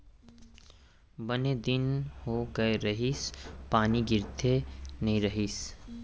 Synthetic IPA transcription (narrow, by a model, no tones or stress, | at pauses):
bɐned̪ɪnhoɡəeɾɐɦispaːniɡɪɾt̪ʰenɐɦĩɾɐɦis